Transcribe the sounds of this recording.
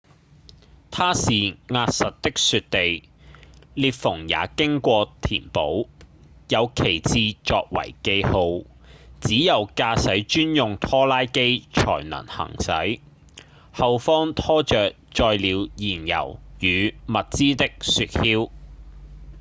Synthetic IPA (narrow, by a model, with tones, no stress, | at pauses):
t̪ʰaː˥siː˨ŋaː˧t̚sɐ˨t̚t̪ɪ˥k̚sy˧t̚t̪e˨j | liː˨˧t̚fʊ˨˩ŋja̰ː˨˥kɪ˥ŋkʷɔː˧t̪ʰiː˨˩npo˨˥wjɐ˨˧wkʰe˨˩jt͡siː˧t͡ʃɔː˧k̚wɐ̰˨˩jke˧jho˧w | t͡siː˨˥jɐ˨wkaː˧sɐ˨˥jt͡ʃyː˥njʊ˨ŋt̪ʰɔː˥laː˥jke˥jt͡ʃʰɔ̰ː˨˩jnɐ̰˨˩nhɐ̰˨˩ŋsɐ̰˨˥j | hɐ˨wfɔː˥ŋt̪ʰɔː˥t͡ʃœː˨k̚t͡ʃɔː˧jliː˨˧wjiː˨˩njɐ̰˨˩wjyː˨˧mɐ˨t̚t͡siː˥t̪ɪ˥k̚syː˧t̚hiː˥w